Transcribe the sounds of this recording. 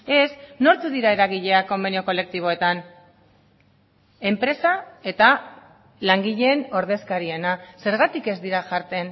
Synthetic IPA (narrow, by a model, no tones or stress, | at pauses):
e̞sno̞ɾt̪uðiɾae̞ɾaɣ̞iʎe̞ako̞menio̞ko̞le̞k̚t̪iβ̞o̞e̞t̪an | e̞mpɾe̞sae̞t̪a | laŋɡiʎeːno̞ɾð̞e̞skaɾie̞nase̞ɾɣ̞at̪ike̞zd̪iɾaʝaɾt̪e̞n